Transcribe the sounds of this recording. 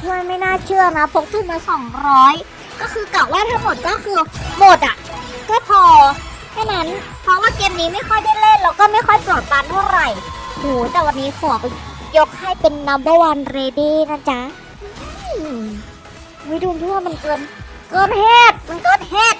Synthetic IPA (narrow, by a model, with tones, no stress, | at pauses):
t̪ʰɯ˧˥˩a˧˨ma˥˩jnaː˥˩t͡ɕʰɯ˥˩ɐna˦˥pʰo˧˦˥k̚t̪ʰɯː˧˩maː˧sɔː˨˩˦ŋɾɔː˦˥j | kɔː˥˩kʰɯː˧kla˨˩waː˥˩t̪ʰa˥˩ŋmo˨˩t̪̚kɔː˥˩kʰɯː˧mo˨˩t̪̚ʔa˨˩ʔkɔː˧˥˩pʰɔː˧ | t̪ʰa˧˥˩na˦˥n | pʰɔː˧˥waː˥˩keː˧mniː˦˥ma˥˩jxʰɔ˥˩jda˥˩le˥˩nlaː˧˥wkɔː˥˩ma˥˩jxʰɔ˥˩jpɤː˨˩t̪̚baː˧nt̪ʰa˥˩wɾa˨˩jhuː˨˦t̪ɛː˨˩wa˧nːiː˦˥kʰɔː˨˩˦k̚jo˦˥k̚ha˥˩jpe˧nːa˧˦˥mba˧˩waː˧nɾeː˧diː˥˩na˥˩t͡ɕa˦˥ | ʔɯ˧ | muː˧˦˥duː˧nt̪ʰu˧˥˩wa˥˩ma˧nkɤː˧n | kɤː˧nheː˥˩t̪̚ma˧nkɤː˧nheː˥˩t̪̚